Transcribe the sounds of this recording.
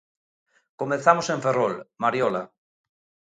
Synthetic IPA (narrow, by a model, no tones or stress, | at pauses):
komẽnθamosẽɱferolmaɾjɔla